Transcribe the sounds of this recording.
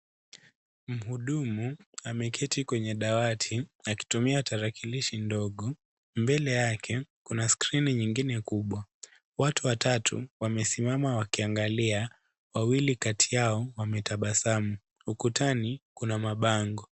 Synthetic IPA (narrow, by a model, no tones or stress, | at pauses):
m̩huɗumuamɛkʰɛtikwɛɲɛɗawatʰiaki̥tumiataɾakiliʃindɔɠɔ | mbɛlɛjakʰɛkunaskɾiniɲiŋɡinɛkuɓwa | watuwatatʰṵwamɛsimamawakiaŋɡalia | wawilikatʰijaɔwamɛtaɓasamu | ukutanikunamaɓaŋɡɔ